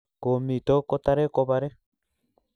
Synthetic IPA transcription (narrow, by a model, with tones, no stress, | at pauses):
ko˨mi˨to˦ko˦ta˦ɾe˦ko˦βa˨ɾe˦